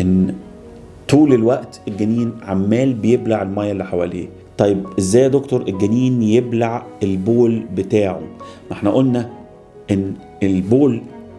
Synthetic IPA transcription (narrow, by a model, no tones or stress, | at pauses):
ʔenː | t̪uːlelwæʔt̪elɡæniːnʕamːæːlbejeblaʕelmæːjːæʔlːiħawælḭː | t̪ˤɑjːebʔezːæːjːd̪okt̪oɾˤʔelɡæniːnjeblaʕelboːlbet̪aːʕo̰mʔeħnæʔolnæ | ʔenː | elboːl